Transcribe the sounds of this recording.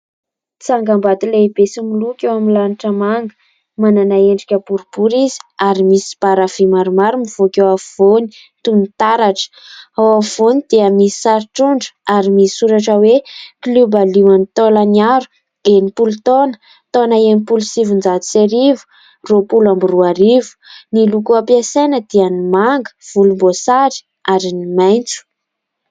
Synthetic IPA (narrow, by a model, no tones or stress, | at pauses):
t͡saŋɡambat̪ilebesimilukʲewamilaniʈ͡ʂəmaŋɡə | mananaeɳɖ͡ʐikʲəb̥uɾub̥uɾizi̥aɾimisi̥b̥aɾavimaɾumaɾumiv̥okewav̥oni̥ | t̪unit̪aɾaʈ͡ʂə̥awav̥onid̪̥eamisi̥saɾʈ͡ʂuɳɖ͡ʐə̥aɾimisi̥suɾaʈ͡ʂəweklubaliwanit̪olanaɾu̥ | enipulut̪onə̥ | t̪onaenipulusivund͡zat̪u̥seɾivu̥ | ropulambiruaɾivu̥nilukuapjasejnəd̪ianimaŋɡə̥v̥ulumbosaɾi̥ | aɾinimajnt͡su̥